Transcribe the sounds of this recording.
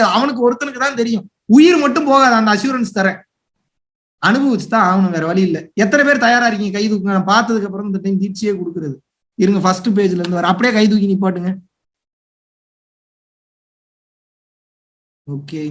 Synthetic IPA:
ɐʋɐnɯk̬ːɯɔɾɯt̪ːɐnɯkːɯt̪ãːnt̪̬ɛɾɪjʊ̃ | ʊjɪɾmɐʈːɯ̃mpoːɣaːðɛɐnd̪ɐsjuːɾɐnst̪ɐɾɛ̃ː | ɐnɯbɐʋɐt͡ʃːɯ̥t̪ãːɐʋɐnɯʋeːɾɐʋɐɭɪɪlːɐɛt̪̬ːɐnɛpeːɾt̪ɐjaːɾaːɪɾɯkːɯŋɡɐkɐɪðuːkːɯŋɡɐnãːpaːɾt̪ɐðɯkːɐpːɯɾɔ̃mɪnd̪ɐʈɐɪmt̪iːʈt͡ʃɪjeːkɔɽɯkːɯɾɐðɯ | ɪɾɯŋɡɐfɐsʈːɯp̬eːd͡ʒɪlɐɾɯnd̪ɯʋaːɾɛ̃ɐpːɐɽɪjeːkɐɪðuːkɪnip̬ːaːʈːɯŋɡɐ | oːkːeː

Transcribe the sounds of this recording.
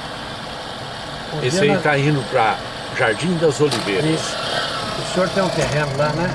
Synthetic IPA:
õesait̪aĩnd̪ʊpɾɐ | ʒaɾd͡ʒĩd̪ɐzolivejɾɐiɐsusioɾt̪ẽj̃ũt̪eɦẽnʊlanɛ̃

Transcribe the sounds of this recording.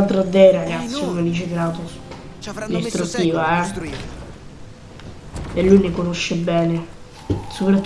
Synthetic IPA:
lt̪ːɾad̪ːeɾaɡat̪sːikomed̪it͡ʃekɾaːt̪o | nist̪ɾut̪ːiːvaɛ | elːujnekonoʃːebɛːne | sopɾat̪ː

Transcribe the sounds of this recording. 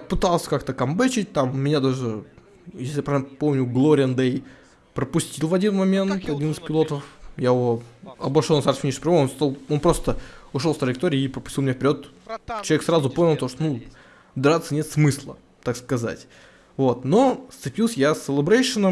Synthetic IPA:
pɨt̪alˠsʲə̥kakt̪əkɐmbɨt͡ɕɪt̚ʲt̪amːʲɪnʲad̪aʐɨ | jes̬ʲlʲɪjapɾnpo̞mnʲʊɡlˠoɾʲɪənd̪ej | pɾəpʊsʲtʲilˠvɐdʲinmɐmʲe̞ntt̪ɐdʲinɨspʲɪlˠo̞t̪əfjaɪvoɐbɐʂolˠnɐsarsʲvʲnʲiʂʲpɾmoonst̪alˠonpɾo̞st̪əʊʂolft̪ɾəjɪkt̪oɾʲɪːpɾəpʊsʲtʲilˠmʲɪnʲafʲpʲɪɾʲo̞t̪t͡ɕɪlˠɐeksɾazʊponʲɪlˠt̪oʂt̪onu | d̪ɐɾat̪sənʲet̪smɨslˠə | t̪akskɐza̰tʲ | vot̪no̞st̪sɨpʲilˠsʲəjasʲɪlʲɪbɾejʂɨnəm

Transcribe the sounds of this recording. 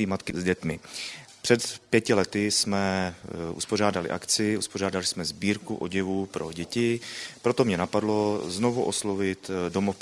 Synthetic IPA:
iːmat̪kɪzɟɛt̪mɪpr̝̥ɛt̪pjɛcɪlɛt̪ɪsmɛʔṵspo̞raːdalɪ̰ʔa̰kt͡sɪʔuspo̞r̝aːdalɪsmɛzbiːɾkuʔoɟɛvuːpɾo̞ɟɛcɪpɾo̞t̪o̞mɲɛnapadlo̞zno̞vuʔo̞slo̞vɪt̪do̞mof

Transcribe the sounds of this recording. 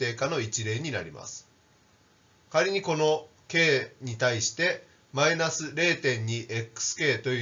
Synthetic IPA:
e̞ːkano̞it͡ɕiɾe̞ːɲ̟ina̰ɾʲima̰sɨ̥ | kaɾʲiɲ̟iko̞no̞ | ke̞ːɲ̟it̪aiɕi̥t̪e̞ | mainasɨɾe̞ːt̪ẽ̞ɲ̟ːiʔe̞kːɯ̥sɨ̥ke̞ːt̪o̞jɯ

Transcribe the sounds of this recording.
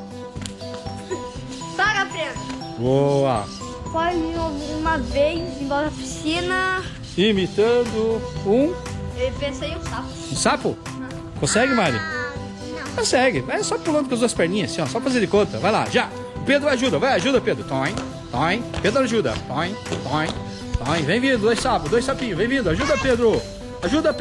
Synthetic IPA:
paɾɐped̪ɾʊ | boɐ̰ | pɔmĩũmɐvejzẽj̃bɔzfi̥sĩnɐ | imit̪ɐ̃d̪ʊũepẽsejũsapʊ̥ũsapʊ | kõsɛɡɪmaɾḭ | kõsɛɡɪvajsɔpulɐ̃nd̪ʊkõzd̪uɐspɛɾnĩɲɐsĩɔ̃sɔpɐfazẽd̪ɪkõt̪ɐ̰vajla̰ʒa | ʊped̪ɾʊaʒud̪ɐvajaʒud̪ɐped̪ɾʊt̪ãẽj̃ | t̪ãẽj̃ped̪ɾʊaʒud̪ɐ̰t̪ãẽj̃t̪õj̃ | t̪ɐ̃ẽj̃bẽj̃vĩnd̪ʊd̪ojssapʊd̪ojsapĩɲʊbẽj̃vĩnd̪ʊaʒud̪ɐʊped̪ɾʊ | aʒud̪ɐ

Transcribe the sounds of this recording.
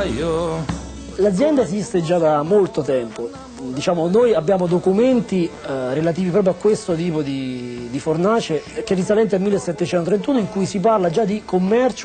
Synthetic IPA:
io | lad̪zjɛnd̪aezist̪ed͡ʒad̪amːolt̪ot̪ɛmpo | d̪it͡ʃaːmonojabːjaːmod̪okument̪irelat̪iːvipɾɔːp̬ɾjoakːwest̪ot̪̬iːpod̪id̪ifornaːt͡ʃek̟eɛrːisalɛnt̪̬ealmilːesːɛt̪ːet͡ʃɛnt̪ot̪ɾent̪uːnoiŋkujsip̬arlad͡ʒad̪ːikʰomːɛrt͡ʃ

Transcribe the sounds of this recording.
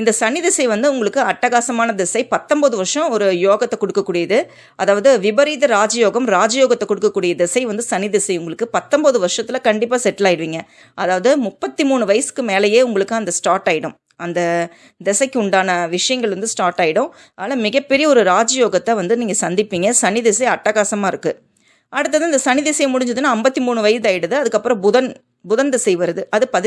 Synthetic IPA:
ɪnd̪ɐsɐnɪðɪsɐɪʋɐnd̪ɯʊŋɡɐɭɯkːɯɐʈːɐɣaːsɐmaːnɐd̪ɛsɐɪpɐt̪ːɔmbɐðɯʋɐɾʂɐ̃ɔɾɯjoːɣɐt̪ːɛkɔɽɯkːɐkːuːɽɪjɐðɯ | ʔɐðaːʋɐðɯʋɪbɐɾiːðɐɾaːd͡ʒɐjoːɣɐmɾaːd͡ʒɐjoːɣɐt̪ːɛkːɔɽɯkːɐkːuːɽɪjɐd̪ɛsɐɪʋɐnd̪ɯsɐnɪðɛsɐɪʊŋɡɐɭɯkːɯpɐt̪ːɔmbɐðɯʋɐɾʂɐt̪ːɪlɐkɐɳɖɪpːaːsɛʈːɪlaːjɪɽɯʋiːŋɡɐ | ʔɐðaːʋɐðɯmʊpːɐt̪ːimuːɳɯʋɐjɐsɯ̥kːɯmeːlɐjeːʊŋɡɐɭɯkːɯɐnd̪ɐsʈaːɾʈaːjɪɽʊ̃ | ɐnd̪ɐ | d̪ɛsɐɪkʲːʊɳɖaːnɐʋɪʂɐjɐŋɡɐɭɾɐnd̪ɯsʈaːʈaːjɪɽʊ̃ | ʔɐlːɐmɪɣɐpːɛɾɪjɐɔɾɯɾaːd͡ʒɐjoːɣɐt̪ːɐʋɐnd̪ɯniːŋɡɐsɐnd̪ɪpːiːŋɡɐsɐnɪðɛsɐɪɐʈːɐɣaːsɐmaːɪɾɯkːɯ | ʔɐɽɯt̪̬ːɐðɯːɪnd̪ɐsɐnɪðɛsɐjmʊɽɪɲd͡ʒɐðɯnːaːɐmbɐt̪ːimuːɳɯʋɐjsdaːjɪɽɯðɯɐðɯkːɐpːɯɾɐ̃bʊðɐn | bʊðɐnd̪ɛsɐɪʋɐɾɐðɯʔɐðɯpɐð

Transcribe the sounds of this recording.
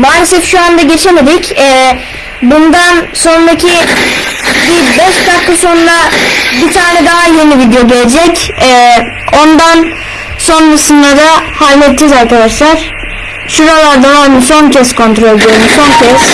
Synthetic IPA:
baːɾesɛfʃuand̪aɟe̞t͡ʃʰe̞med̪icɛː | bund̪anso̞nɾacʰi | bibɛʃt̪akʰːasonuabit̪ʰaːnɛd̪aɦaje̞nivid̪ejo̞ɟelʲed͡ʒɛcɛː | o̞nd̪an | so̞nɾasɯnd̪ad̪ahalʲmɛt̪̚d͡ʒɛzaɾkad̪aʃlˠaɾ̥ | suɾalˠaɾd̪aaniso̞ncʰɛskʰo̞nt̪ɾo̞lʲɟøɾimuso̞ncʰɛs

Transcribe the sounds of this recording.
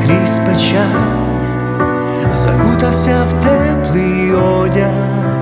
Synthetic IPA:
kɾʲispɛt͡ʃa | zɐ̰ɡud̪ɐwsʲawt̪ɛplˠi | ɔ | dʲa

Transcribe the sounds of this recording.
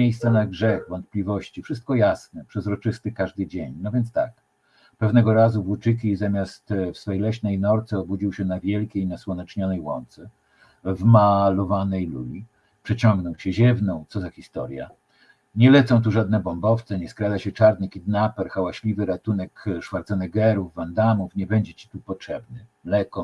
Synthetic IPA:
ejst̪sanaɡʐɛxvɔnt̪̚plʲivɔɕt͡ɕifʂɘst̪̚kɔjasnɛpʂɛzɾɔt͡ʂɘst̪ɘkaʐd̪ɘd͡ʑeɲnɔvʲjɛnt̪st̪ak | pɛvnɛɡɔɾazuvwut͡ʂɘkʲizamʲjast̪fsfɛjlɛɕnɛjnɔɾt̪sɛɔbud͡ʑiwɕɛnavʲjɛlkʲejinaswɔnɛt͡ʂɲɔnɛjwɔ̰nt̪sɛ | vmalɔvanɛjlṵlʲi | pʂɛt͡ɕɔ̃ŋɡnɔwt͡ɕɛʑɛvnɔ̃w̃t̪sɔzaxʲist̪ɔ̰ɾja̰ | ɲɛlɛt̪sɔ̃w̃t̪̬uʐad̪̚nɛbɔmbɔft̪sɛɲɛskɾad̪aɕɛt͡ʂaɾnɘxʲid̪napɛɾxawaɕlʲivɘɾat̪unɛkʂfaɾt̪sɛnɛɡɛɾuvːand̪amufɲɛbɛɲd͡ʑɛt͡ɕi̥t̪upɔtʂɛbnɘmlɛkɔ

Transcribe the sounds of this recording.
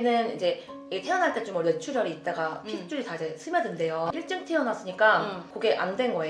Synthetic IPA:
nɯnid͡ʑe̞ | tʰejʌnɦaɭt͈e̞t͡ɕomwʌɭwet͡ɕʰuɾjʌɾiːt̚t͈aɡapʰit͡ɕ͈uɾitaid͡ʑe̞sʰɯmjʌdende̞joiɭt͡ɕ͈ɯŋtʰɯjʌnas͈ɯɲik͈akoɡe̞ʔandwe̞nɡʌe

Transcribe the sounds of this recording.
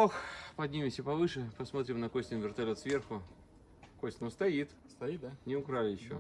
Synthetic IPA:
oxpɐd̪ʲnʲimʲɪmsʲəpɐvɨʂɨpɐsmo̞t̪ɾʲɪmnɐkosʲnʲɪnvʲɪrt̪ɐlʲo̞t̪svʲe̞rxʊ | kosʲtʲɪnʊst̪ɐit̪ | st̪ɐinʲɪʊkɾalʲɪjɪɕːo̰

